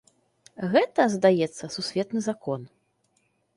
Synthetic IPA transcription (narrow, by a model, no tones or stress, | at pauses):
ɣɛt̪ɐzd̪ajɛt̪sːɐsusʲvʲɛt̪nɨzakɔn